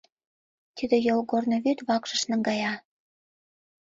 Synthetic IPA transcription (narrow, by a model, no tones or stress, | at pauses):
t̪id̪ĕjolɡornoβyt̪βɑkʃə̆ʃnə̆ŋɡɑjɑ